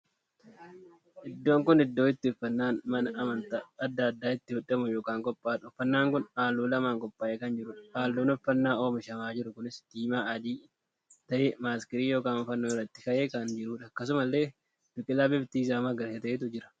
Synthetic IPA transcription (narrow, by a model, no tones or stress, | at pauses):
ʔɪd̪ːoːŋkʊnɪd̪ːoːɪt̪ːɪʊfːɐnːaːnmɐnɐʔɐmɐnt̪ɐɐd̪ːɐːd̪ːaːɪt̪ːɪhʊᶑːɐmʊjoːkaːŋkʼɔpʼːaːᶑɔfːɐnːaːŋkʊnaːlːuːlɐmaːŋkʼɔpʼːaːʔeːkɐnd͡ʒɪɾʊᶑɐhaːlːuːnɔfɐnːaːo̞ːmɪʃɐmaːd͡ʒɪɾʊkʊnɪsd̪̥iːmaːɐd̪iː | t̪ɐʔemaːskɪɾiːjo̞ːkaːnfɐnːoːɪrːɐt̪ːɪkɐʔeːkɐnd͡ʒɪɾuːᶑɐːkːɐs̬ʊmɐlːe̞ː | d̥̪ʊkʼːɪlaːbɪbt̪iːs̬aːmɐɡɐɾhet̪ɐʔeːt̪̬ʊd͡ʒɪɾɐ̥